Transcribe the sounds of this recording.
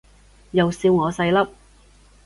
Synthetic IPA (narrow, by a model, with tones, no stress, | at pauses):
jɐ˨wsiː˧wŋɔː˨˧sɐ˧jlɐ˥p̚